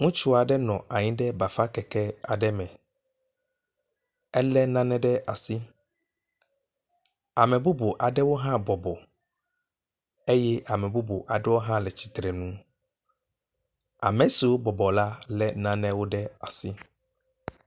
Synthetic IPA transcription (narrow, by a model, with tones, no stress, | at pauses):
ŋũ˦t͡ʃu˦a˨ɖɛ˦nɔ̃˨a˨ɲĩ˦ɖɛ˦ba˨fa˦kɛ˨kɛ˦a̰˨ɖɛ˦mɛ̃˨ | ɛ˦lɛ˦nã˦nɛ̃˦ɖɛ˦ʔa˨si˦ | a˨mɛ̃˨bu˦bo˨ʔa˨ɖɛ˦wo˦ɦã˦bɔ˨bɔ˨ | e˦jɛ˦ʔa˨mɛ̃˨bu˦bo˨ʔa˨ɖɛ˦wo˦ɦã˦lɛ˨t͡ɕi˨t̪ɾɛ˨nũ˦ | a˨mɛ̃˨si˨wo˦bɔ˨bɔ˨la˦lɛ˦nã˦nɛ̃˦wo˦ɖɛ˦a˨si˦